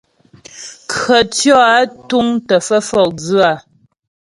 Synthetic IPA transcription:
kɰə˨tjɔ˦a˦tu˦ŋtə˨fə˦fɔ˨kd͡zʉ˦a˨

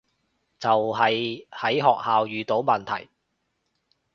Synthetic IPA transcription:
t͡sɐ˨wɦɐ˨jhɐ˨˥jɦɔː˨k̚haː˨wjyː˨t̪o˨˥wmɐ˨nt̪ʰɐ̰˨˩j

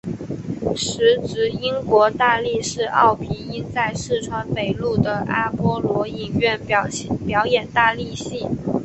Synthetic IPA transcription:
ʂɻ̩˧˥ʈ͡ʂɻ̩˧˥i˥nkwɔ˧˥t̪a˥˧li˥˧ʂɻ̩˥˧ʔɑ̰˥˩ʊpʰi˧˥i˥t͡sa˥˧ɪʂɻ̩˥˩ʈ͡ʂʰwa˧˥npe˨˩ɪlu˥˩d̪ə˩ʔa̰˥pwɔ˥lwɔ˧˥i˥˨˩ŋɥɛ˥˩npjɑ˧˥ʊjɛ˨˩nt̪a˥˧li˥˧ɕi˥˩

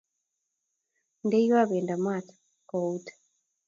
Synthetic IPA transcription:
nde˦jwa˦βe˨nda˨mwa˦˨tḁ | kɔ˨utḁ

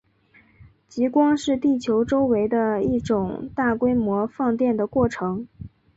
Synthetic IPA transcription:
t͡ɕi˧˥kwɑ˥ŋʂɻ̩˥˧t̪i˥˩t͡ɕʰjo˧˥ʊʈ͡ʂo˥ʊwe˧˥ɪd̪ə˧i˥˩ʈ͡ʂʊ˨˩ŋt̪a˥˩kwe˥ɪmwɔ˧˥fɑ˥˧ŋt̪jɛ˥˩nd̪ə˩kwɔ˥˩ʈ͡ʂʰɤ˧˥ŋ

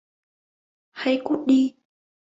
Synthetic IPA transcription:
ha˧jkṵ˦˥t̚ɗi˧

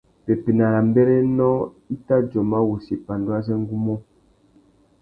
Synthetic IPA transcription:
pɛ˨pe˨na˨ɾa˨m˦bɛ˦ɾɛ˦nɔ˦ | i˦ta˦d͡ʒɔ˨ma˦wu˨si˨pa˨ndwa˦s̬ɛ˦ŋ˦ɡu˦mɔ˦

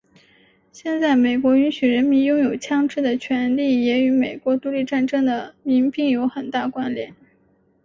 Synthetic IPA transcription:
ɕjɛ˥˧nt͡sa˥˩ɪme˨˩ɪkwɔ˧˥y˧˥nɕy˨˩ɻə˧˥nmi˧˥njʊ˥ŋjo˨˩ʊt͡ɕʰjɑ˥ŋʈ͡ʂɻ̩˥˩d̪ə˩t͡ɕʰɥɛ˧˥nli˥˩jɛ˧˥y˧˥me˨˩ɪkwɔ˧˥t̪u˧˥li˥˧ʈ͡ʂa˥˧nʈ͡ʂɤ˥ŋd̪ə˨mi˧˥ŋpi˥˧ŋjo˧˥ʊxə˨˩nt̪a˥˩kwa˥nljɛ̰˧˩˦n

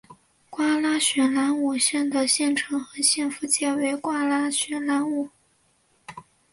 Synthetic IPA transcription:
kwa˥la˥ɕɥɛ˧˥nla˧˥nu˨˩ɕjɛ˥˩nd̪ə˩ɕjɛ˥˩nʈ͡ʂʰɤ˧˥ŋxɤ˧˥ɕjɛ˥˩nfu˧˥t͡ɕjɛ˥˩we˧˥ɪkwa˥la˥ɕɥɛ˧˥nla˧˥nu˨˩˦

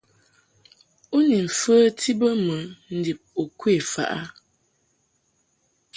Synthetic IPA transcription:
u˦ni˨ɱ̩˨fə˦tʰi˦bə˦mə˨˦n̩˦di˨p̚u˨kwe˦˨fa̰˨ʔa˦

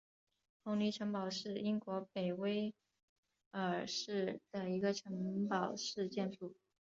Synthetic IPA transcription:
pʰʊ˧˥ŋni˧˥ʈ͡ʂʰɤ˧˥ŋpɑ˨˩ʊʂɻ̩˥˩i˥ŋkwɔ˧˥pe˨˩ɪwe˥ɪ | ə˞˨˩ʂɻ̩˥˩d̪̥ə˩i˧˥ɡə˧ʈ͡ʂʰɤ˧˥ŋpɑ˨˩ʊʂɻ̩˥˧t͡ɕjɛ˥˧nʂu˥˩

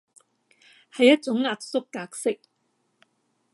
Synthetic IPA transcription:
hɐ˨jɐ˦˥t̚t͡ʃʊ˨˥ŋŋaː˨k̚sʊ˥kːaː˧k̚sɪ˥k̚

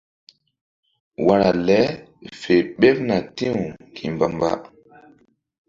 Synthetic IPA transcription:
wa˦ɾa˨lɛ˦ | fe˨ɓe˦p̚na˨tĩ˦u˨kʰi˨mba˨mba̰˦

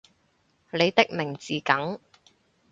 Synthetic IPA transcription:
le˨˧jt̪ɪ˥k̚mɪ˨˩ŋt͡siː˨kɐ˨˥ŋ

